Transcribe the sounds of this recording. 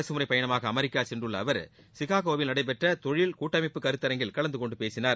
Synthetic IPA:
ɐsɯmʊɾɐɪpɐjɐɳɐmaːɣɐːmɛɾɪkːaːsɛndrɯɭːɐːʋɐɾ | sɪɣaːɣoːʋɪlnɐɽɐɪp̬ɛʈrɐt̪ɔɻɪlkuːʈːɐmɪpːɯkɐɾɯt̪ːɐɾɐŋɡɪlkɐɭɐnd̪ɯkɔɳɖɯpeːsɪnaːɾ

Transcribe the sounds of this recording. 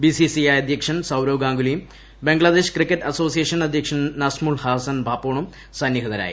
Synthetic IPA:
bisisiɐjɐd̪ʱjɐkʂɐnsɐwɾoːɡaːŋɡulijum | beŋɡɭɐd̪eːʂkrikːɐʈːɐso̞ːsijeːʂɐnɐd̪ʱjɐkʂɐnnɐsmuɭhaːsɐnbʱaːpːoːɳum | sɐnjɐɡɐðɐɾa̰ːjḭ

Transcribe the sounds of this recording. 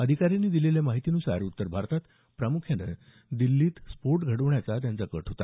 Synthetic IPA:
əd̪ʱikaɾjaniːd̪ileljamaɦit̪iːnusa̰ɾut̪ːəɾbʱaɾt̪at̪ | pɾamukʰjanə̰ | d̪ilːiːt̪spoɾʈɡʱəɽəʋɳjat͡sat̪̬jant͡sakəʈʰɦot̪a̰

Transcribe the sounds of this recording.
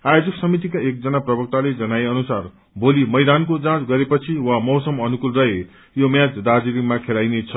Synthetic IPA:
ajod͡zʌksʌmit̪̬ikaek̚d͡zʌnaprʌbʌk̚t̪aled͡zʌnaeʌnusar | bolimʌjd̪ankot͡sãt͡sɡʌɾepʌt͡sʰiwamʌwsʌmʌnukulrʌɦe | jomjãd͡zdad͡zilikmakʰelajnet͡sʰʌ

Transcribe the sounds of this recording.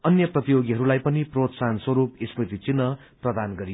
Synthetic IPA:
ʌnjʌprʌt̪ijoɡiɦʌɾulajpʌniprot̪sanswʌɾupisprit̪it͡sinːʌ | prʌd̪anɡʌɾij

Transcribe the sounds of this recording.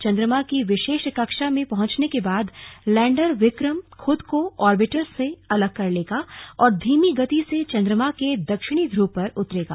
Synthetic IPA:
t͡ʃɐ̃nd̪ɾəmakiʋɪʃeːʃkɐkʃamẽpɐɦʊ̃t͡ʃnekebaːd̪lɛ̃ːɳɖəɾʋɪkɾəmxʰʊd̪koɔːɾbɪʈəɾseɐləɡ̚kɐɾleːɡaɔːɾd̪ʱiːmiɡɐt̪iset͡ʃɐ̃nd̪ɾəmaked̪ɐkʃɪɽ̃id̪ʱɾuːpɐɾʊt̪ɾeːɡa̰ː

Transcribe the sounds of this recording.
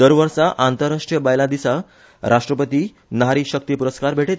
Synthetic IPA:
d̪əɾʋəɾsaʔant̪əɾːaʂʈɾijəbajlãd̪isa | ɾʔaʂʈɾəpət̪iː | nɦaɾiːɕək̚t̪iːpuɾəskaɾbʱeʈet̪

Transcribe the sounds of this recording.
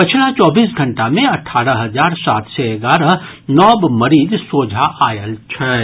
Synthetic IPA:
pət͡ʃʰlat͡ʃɔːbiːs̬ɡʱɐ̃ɳʈamẽɐʈʰaːɾəɦɐd͡ʒaːɾsaːt̪seeɡaːɾə | nɔːbmɐɾiːd̪soːd͡ʒʱaʔaːjəlt͡ʃʰɛː

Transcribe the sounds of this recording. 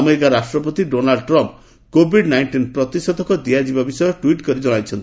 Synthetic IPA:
ameɾikaɾasʈɾɔpɔt̪iɖonalɖʈɾɔmp | kobʱiɖnajɳʈinpɾɔt̪isɔd̪ʱɔkɔd̪iad͡ʒibabisɔjɔʈwiʈkɔɾid͡ʒɔɽ̃ajt͡ʃʰɔnt̪ii

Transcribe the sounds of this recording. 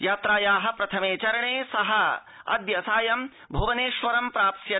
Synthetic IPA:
jaːt̪ɾaːjaːɦɐ̆pɾɐt̪ʰɐmeːt͡ʃɐɾɐɳeːsɐɦɐ | ɐ̰d̪jɐsaːjɐm | bʱoːʋɐneːʃʋɐɾɐmpɾaːp̚t̪jɐ

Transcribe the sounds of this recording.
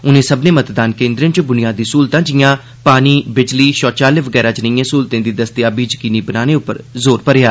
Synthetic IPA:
ʊnẽːsəbneːmət̪d̪aːnkẽːnd̪ɾɪnt͡ʃbʊnɪjaːd̪iːsuːlt̪ãːd͡ʒɪjãː | paːniːbɪd͡ʒliːʃɔːt͡ʃaːleːʋəɡɛːɾaːd͡ʒənəjãːsuːlt̪ẽːd̪iːd̪əst̪ɪjaːbiːd͡ʒəkiːniːbənaːneːʊpːə̰ɾzoːɾpəɾɪjaː

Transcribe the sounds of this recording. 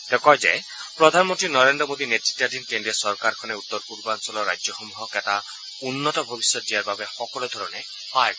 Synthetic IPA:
t̪ekɔjd͡ʒḛj | pɾɔd̪ʱanmɔnt̪ɾinɔɾend̪ɾɔmod̪inet̪i̥tadinkenɖiesɔɾkaɾkʰɔneut̪ːɔɾpuɾbansɔlɔɾajd͡ʒjɔxɔmuɦɔketa | unːɔtɔbʱɔbisjɔt̪̚diaɾbabexɔkɔlɔd̪ʱɔɾɔne | hɔj

